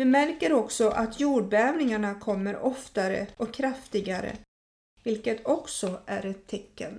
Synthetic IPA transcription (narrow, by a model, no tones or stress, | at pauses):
vɪmæɾkəɾɔksɔʔat̪ʰjuːɖ̚bɛɛːvnɪŋaɳakʰɔmːəɾɔft̪aɾə̰ɔkʰːɾaft̪ɪɡaɾə̰ | vɪlkət̪ʰɔksɔʔæɾɛt̪ʰːɛkːə̰n